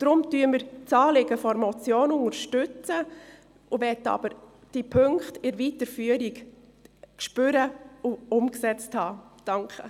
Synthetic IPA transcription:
d̥ɾʊmtyːəməɾt͡sɑːlɪɡəfɔɾmɔt͡sjoːnʊŋəɾʃtʏt͡sə | ʔʊʋɛtːɑ̰b̥əɾ | d̥ipʰøŋkχtɪɾʋitəɾfyːəɾik | kʃpʏɾəʊʊmksɛt͡sthɑːd̥ɑŋkʰə

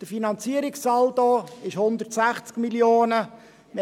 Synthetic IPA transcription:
d̥əfinɑnt͡siəɾiksɑld̪oɪʃhʊnd̪əɾtsæχt͡skmiljoːnə | m

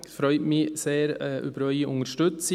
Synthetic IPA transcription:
fɾœʏtmiseːɾʔy̰ːbəɾœʏɪʔʊŋəɾʃtʉtt͡s

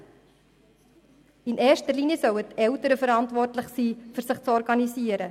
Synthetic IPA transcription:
ɪneːʃtərliːnjəsœwətɛʊtəɾəfəɾɑntʋɔrtlɪχsiːfʏɾsɪχt͡sɔɾɡɑniziːəɾə

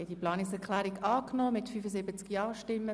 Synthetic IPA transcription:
ɛdiplɑːnɪksɛʁkʰlæːɾɪɡɑːknɔːmɪtfyːfəzɪbət͡skjɑːʃtɪmːə

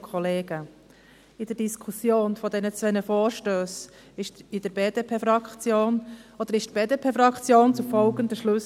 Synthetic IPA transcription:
kʰɔleːɡ̥ə | ɪd̥əɾd̥iskʰusjoːnfɔd̪ɛnət͡sʋɛnəfoːɾʃtøːs | ɪʃtid̥̪əɾbeːd̥epʰeːfɾɑkt͡sjoːnod̥əɾɪʃt̪b̥eːd̪epʰeːfɾɑkt͡sjoːnt͡sufɔlɡənd̪əʃlʉs

